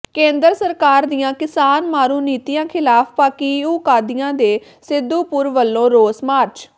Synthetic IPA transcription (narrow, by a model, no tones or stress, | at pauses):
kẽːnd̪əɾsəɾkaːɾd̪ijãːkɪsaːnmaːɾuːniːt̪ijãːkʰɪlaːpʰpaːkiːuːkaːd̪ɪjãːd̪eː | sɪd̪ːuːpʊɾʋəlːõːɾoːsmaːɾt͡ʃ